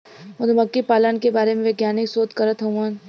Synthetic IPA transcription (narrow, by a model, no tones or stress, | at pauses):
ʊd̪mɐkːipaːlənkebaːɾemẽʋeɡjaːnɪksoːt̪kɐɾət̪ɦɐ̃aːn